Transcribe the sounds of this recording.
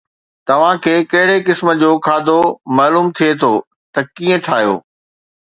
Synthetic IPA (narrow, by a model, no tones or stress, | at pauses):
t̪ɐʋ̤ãkʰeːkɐɦɪɽekɪsmə̆d͡ʑoːkʰaːd̪omaːluːmt̪ʰijet̪ʰoː | t̪ɐkiːə̃ʈʰaːjo̰ː